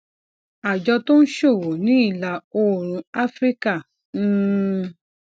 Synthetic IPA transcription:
a˨d͡ʒɔ˧to˦n̩˦ʃo˦˨wo˨nĩ˨˦i˦˨la˧˦o˦˨ɾ̃ũ˧a˦fɾi˦ka˦˨˦

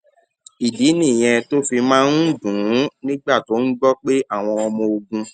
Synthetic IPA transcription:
i˨di˨˦nĩ˦˨j̃ɛ̃˧to˦fi˧mãː˦n̩˦˨dũ˨˦nĩ˦ɡ͡ba˦˨to˨˦n̩˦ɡ͡bɔ˦k͡pe˦ʔa˦˨w̃ɔ̃˧ɔ˧mɔ̃˧o˧ɡũ˧

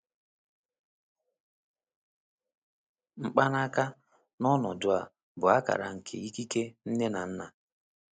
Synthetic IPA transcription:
ŋ͡m̩˦k͡pa˦n˦a˦ka˦ | nɔ˦nɔ˨dʊ˦˨a˨ | bʊ˨a˦ka̰˨ɾa˨ŋ̩˨kʰḛ˨i˦ki˦ke˦n̩˦ne˦na˨n̩˦na˨

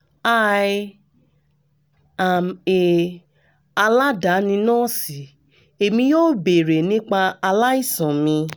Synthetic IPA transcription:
a˦˧ | a˨me˨ | a˧la˦da˨˦nĩ˧nãː˦˨si˨˦ | e˨mĩ˧joː˦˨be˨ɾe˨nĩ˦k͡pa˧a˧la˦i˦˨sã˨mĩ˧

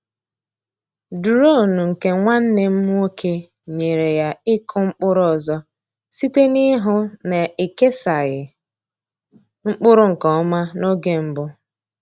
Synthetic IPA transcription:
du˨ɾo˦˨nu˨ŋ̩˨ke˨ŋʷa˦n̩˦ne˦m̩˦mu˦o˦kʰe˦ | ɲe˨ɾe˨ja˦ɪ˦kʰʊ˦ŋ͡m̩˦k͡pʊ˦ɾɔ˨zɔ˦ | si˦te˦nɪ˦ɦʊ˦ne˨i˨ke˦sa˨ɣɪ˨ | ŋ͡m̩˦k͡pʊ˦ɾʊ˦ŋ̩˨kɔ˨ɔ˦ma˦no˦ɡe˦m̩˦bʊ˦

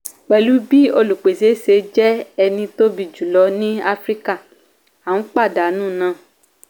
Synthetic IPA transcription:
k͡pɛ˨lu˦bi˦o˧lu˨k͡pe˨se˨˦se˧d͡ʒɛ˦ɛ˧nĩ˧to˦bi˧˨d͡ʒu˨lɔ˨˧˦nĩ˦a˦fɾi˦ka˦˨ | a˨wũ˨˦k͡pa˦˨da˨˦nũː˦˨nãː˨˦˨

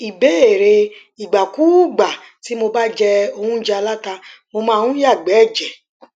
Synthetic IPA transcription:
i˨be˨˦e˨ɾe˧ | i˨ɡ͡ba˨ku˨˦ɡ͡ba˨ | ti˨˦mo˧ba˦d͡ʒɛ˧o˧hũ˦d͡ʒɛ˧a˧la˦ta˧mo˧mãː˦˧hũ˦ja˦˨ɡ͡bɛ˨˦˨d͡ʒɛ˨

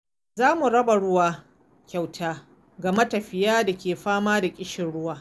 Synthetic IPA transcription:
zaː˦mu˨ɽɐ˦ba˨ɽʊ˦waː˦ | kʲa˨wtʰaː˦ | ɡɐ˨mɐ˦tɐ˨ɸɪ˨jaː˦da˨kʲeː˨ɸaː˦maː˦da˨kʲʼɪ˦ʃɪ˨nɽʊ˦waː˨

